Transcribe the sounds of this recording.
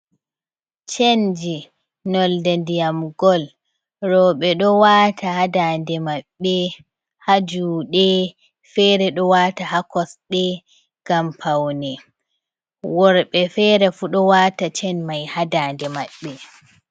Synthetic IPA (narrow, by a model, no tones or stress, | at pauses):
t͡ʃend͡ʒi | nɔldandijamɡɔl | ɾɔɓɛɗɔwaːtʰahadandɛmaɓːɛ | had͡ʒuɗɛ | fɛɾɛɗɔwaːtahakɔsɗɛ | ɡ̥ampʰawnɛ | wɔɾɓɛfɛɾɛfuɗɔwatat͡ʃɛnmajhadaːndɛmaɓːɛ